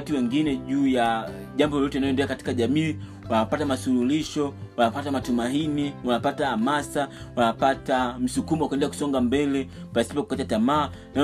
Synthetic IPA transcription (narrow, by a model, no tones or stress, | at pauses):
tiwɛŋɡinɛʄuːja | ʄambɔlɔtɛinajɔɛndɛakati̥kaʄamiː | wanapatamasululiʃɔwanapatamatumainiwanapataamasa | wanapatam̩sukumɔwakwɛndɛiaku̥sɔŋɡambɛlɛ | pasi̥pɔkukat͡ʃatamaː | na